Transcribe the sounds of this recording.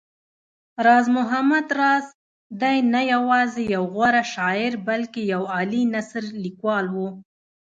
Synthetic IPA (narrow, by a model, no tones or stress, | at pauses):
ɾɑzmʊɦamad̪ɾɑz | d̪ajnajawɑzejawɣwaɾaʃɑɪɾbalkejawɑlinasɾlikwɑlwu